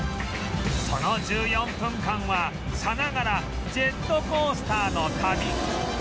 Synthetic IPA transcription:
sʰʌnʌd͡ʑɯjʌmpʰɯmkʰaŋwa | sʰanaɡaɾa | t͡ɕetokosʰɯ̥t̪ʰanɔkʰami

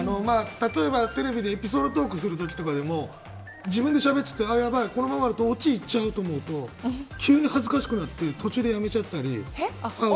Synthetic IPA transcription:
no̞maːt̪at̪o̞e̞bat̪e̞ɾe̞bʲid̪eːpʲisoːd̪ot̪̬o̞ːkɯ̟sɨɾɯ̟t̪̬o̞kʲi̥t̪o̞kad̪e̞mo̞ | d͡ʑibɯ̟̃nd̪e̞ɕabe̞tt͡ɕ̚t͡ɕːḁt̪ːeajabaiko̞no̞mamaɾit̪oːt͡ɕiːt͡ɕaɯ̟t̪o̞ːmo̞ɯ̟t̪o̞kʲɨːɲ̟ihazɨkaɕi̥kɯ̟nat̪ːe̞t̪ʰo̞t͡ɕɨːd̪e̞jame̞t͡ɕat̪ːaɾʲḭa

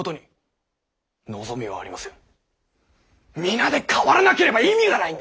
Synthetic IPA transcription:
ot̪o̞ɲ̟i | no̞zo̞mʲiβa̰ːɾʲimasẽ | mʲinad̪e̞kʰaβaɾanake̞ɾe̞baimʲiɡanaĩnd̪

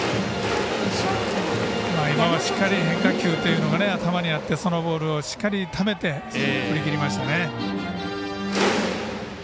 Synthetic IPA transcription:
maːimaβaɕi̥kːaɾʲiɦẽ̞ŋkakʲɨːt̪ːe̞jiɯ̟no̞ɡane̞at̪amaɲ̟iat̪ːe̞so̞no̞bo̞ːɾɯ̟o̞ɕi̥kːaɾʲit̪ʰame̞t̪e̞ | kɯ̟ɾʲikʲiɾʲimaɕi̥t̪ane̞

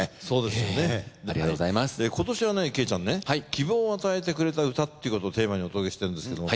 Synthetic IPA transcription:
so̞ːd̪e̞sɨjoned̪aɾiaoaimaseko̞t̪o̞ɕiβane̞ke̞ːt͡ɕãnːe̞haikʲibõːoat̪ae̞t̪̬e̞kɯ̟ɾe̞t̪aɯ̟t̪at̪ːe̞jiɯ̟ko̞t̪oːt̪e̞ːmaɲ̟iot̪ooke̞ɕi̥t̪e̞ɾɯ̟nd̪esɨ̥ke̞d̪om

